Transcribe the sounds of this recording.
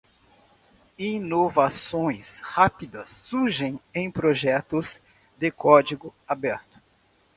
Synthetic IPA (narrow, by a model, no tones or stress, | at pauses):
inovasõj̃shapid̪ɐsːuɾʒẽj̃ẽj̃pɾoʒɛt̪ʊz | d̪ɪkɔd͡ʒiɡʊabɛɾt̪ʊ̥